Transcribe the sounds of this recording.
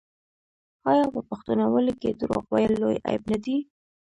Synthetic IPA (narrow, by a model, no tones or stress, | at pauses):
ɑjɑpəpaxt̪unawəlked̪ɾo̰ɣwajəlːoja̰jbnad̪i